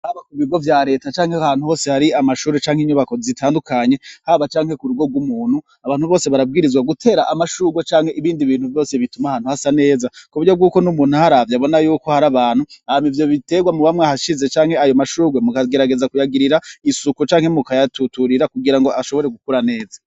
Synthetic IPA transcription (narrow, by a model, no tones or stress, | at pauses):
haβakuβiɡo̞vjaɾe̞ːtat͡ʃaːŋhehaːn̥huho̞ːse̞haɾiamaʃuːɾet͡ʃaːŋhiɲuβako̞zitʰaːndukaɲe̞haβat͡ʃaːŋhe̞kuɾuɡo̞ɡwumuːn̥hu | aβaːn̥huβo̞ːse̞βaɾab̚ɡiːɾizɡwaɡutʰe̞ːɾaʔamaʃuːɡwot͡ʃaːŋhe̞ʔiβiːndiβiːn̥huvjo̞ːse̞βitumahaːn̥uhasane̞ːzakuβuɾjo̞b̚ɡuːko̞numuːn̥hahaɾavjaβo̞najuːko̞haɾaβaːn̥huaamivjo̞βite̞ɡwamuβamŋahaʃize̞t͡ʃaːŋ̥he̞ajo̞maʃuːɡwemukaɡe̞ɾaɡe̞zakujaɡiɾiɾaisukut͡ʃaːŋ̥he̞mukajatutuɾiɾakuɡiɾaŋɡo̞ʔaʃo̞βo̞ɾeɡukuɾane̞ːzḁ